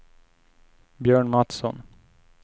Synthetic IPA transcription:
bjœːɳmat̪sɔ̰n

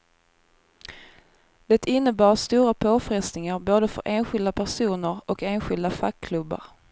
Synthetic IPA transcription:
d̪̥ɛt̪ʰɪnːəbɑːst̪uːɾapʰoːfɾɪst̪nɪŋaɾboːd̪əfœ̰ɾʔeːnɧɪld̪apʰæʂuːnəɾɔkeːnɧɪld̪afakʰːlɵbːa̰ɾ

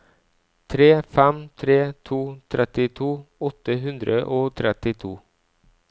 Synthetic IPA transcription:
t̪ʰɾeːfɛmt̪ʰɾeːt̪ʰuːt̪ʰɾɛt̪ɪt̪ʰuːɔt̪ːəɦʉnd̪ɾəʔoːt̪ʰɾɛt̪ɪt̪ʰuː

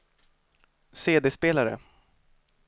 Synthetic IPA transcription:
seːd̪eːspeːlaɾə̰

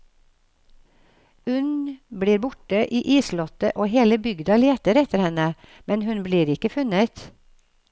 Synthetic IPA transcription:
ʉnbliːɾbʊʈəʔiːʔiːslɔt̪ə̰ʔoːheːləbʏɡd̪ɑleːt̪əɾɛt̪əɾhɛnəmɛnhʉnbliːɾɪkəfʉnət̪

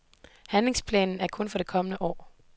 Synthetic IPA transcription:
hænle̝ŋspʰlɛ̰ːnn̩æɐkʰɔ̽nfɒ̽ɾ̥e̝kʰɒ̽mənəʔɒ̰ː

